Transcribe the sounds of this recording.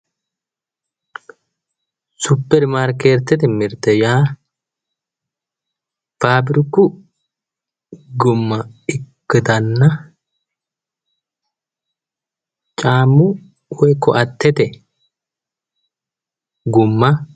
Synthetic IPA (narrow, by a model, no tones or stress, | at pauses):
sʊpːɛɾmaːɾkeːɾt̪ːɛt̪ɛmɪɾt̪ɛjaː | faːbɾɪkːʊ | ɡʊmːɐɪkːɪd̪ɐnːɐ | t͡ʃʼaːmːʊ | wɔjkʰːɔʔɐt̪ːɛt̪ɛ | ɡʊmːɐ